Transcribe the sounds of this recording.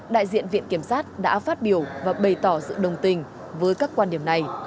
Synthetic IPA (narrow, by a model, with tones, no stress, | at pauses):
ɗa̰ː˧˨jzḭ˧˨ənvḭ˧˨ənki˧˩əmsaː˦˥t̚ɗa̰ː˧˥faː˦˥t̚ɓi˧˩əwvaː˨˩ɓə˨˩jt̪ɔ˧˩zɨ̰˧˨ɗə˨˩wŋ͡mt̪ï˧ŋ̟ | vəː˨˦jkaː˦˥kːwaː˧nɗi˧˩əmna˨˩j